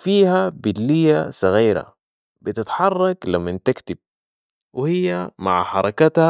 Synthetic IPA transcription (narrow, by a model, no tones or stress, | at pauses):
fiːhabɪlːijːasˤɑɣiːɾa̰ | bɪt̪ɪt̪ħɑrˤːɑklamːɪnt̪ɪkt̪ɪb̚ | wɪhijːama̰ʕħɑɾˤɑkat̪ha